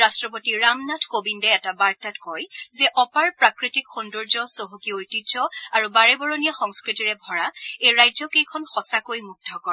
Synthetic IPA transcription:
astɹɔpotiɹamnatʰkobindɛɛtabaɹtatkɔjzɛʔɔpaɹpɹakɹitikxundɔɹzɔsoɦokiojtid͡ʒɔaɹubaɹɛbɔɹonijaxɔŋskɹitiɹɛbʱɔɹaejɹajzɔkejkʰɔnxɔsakojmuk̚tʰɔkɔ

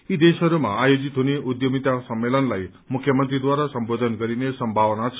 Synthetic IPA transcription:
id̪eʃəɾumã̰ajod͡ʒit̪oniʔud̪jomit̪asəmːelənlaj | mukʰjəmənt̪ɾid̪ʋaɾasəmbod̪ʱənkəɾinesəmbʱaʋnat͡ʃʰ

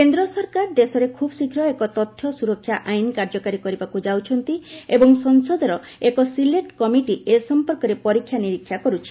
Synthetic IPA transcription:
kend̪ɾɔsɔɾkaɾd̪esɔɾekʰubsikʰɾɔekɔt̪ɔt̪ʰːjɔsuɾɔkʰːjaʔajnkaɾd͡ʒɔkaɾikɔɾibakud͡ʒawt͡ʃʰɔnt̪iebɔŋsɔnsɔd̪ʱɔɾɔ | ekɔsileʈkɔmiʈiʔesɔmpɔɾkɔɾepɔɾikʰːjaniɾikʰːjakɔɾut͡ʃʰi̥

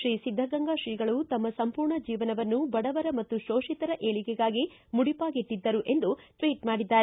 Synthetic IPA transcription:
ʃɾiːsid̪ʱːɐɡɐŋɡaʃɾiːɡɐɭut̪ɐmːɐsɐmpuːɾɳɐd͡ʒiːʋɐnɐʋɐnːubɐɽɐʋɐɾɐmɐt̪ːuʃoːʂit̪ɐɾɐʔeːɭikɛɡaːɡi | muɽipaːɡiʈ̪ːid̪ːɐɾuʔe̞nd̪uʈʋiːʈmaːɽid̪ːaːɾe

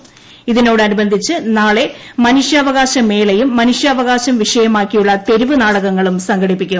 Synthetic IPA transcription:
iðino̞ːɽɨɐnubɐnd̪ʱit͡ɕːɨnaːɭe̞mɐnuʂjɐːʋɐɣaːɕɐme̞ːlɐjumːɐnuʂjɐːʋɐɣaːɕɐmʋiʂɐjɐmaːkːijuɭːɐt̪e̞ɾuʋɨnaːɽɐɣɐŋːɐɭumsɐŋɡʱɐɽipːikʲːu

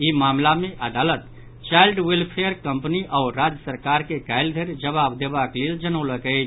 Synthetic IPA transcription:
imamlameʔəd̪alət̪ | t͡ʃaɪlɖwilpʰejəɾkəmpniʔaʊɾad͡ʒəsəɾkaɾkekaɪld̪ʱeɾd͡ʒəβabd̪ebakleld͡ʒənəʊləkəɪt͡ʃʰ

